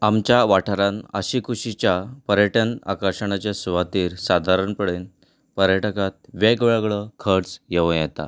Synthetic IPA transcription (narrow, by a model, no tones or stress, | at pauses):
amt͡ɕjaʋaʈʰəɾãnə̰ɕikʰuɕit͡ɕjapəɾjəʈəna̰kəɕəɳ̃at͡ɕesuʋat̪iːɾsad̪ʱaɾəɳpəɽen | pəɾjəʈəkat̪̚ʋeɡʋeɭɡɭəkʰəɾt͡sjeʋə̃jɛt̪a̰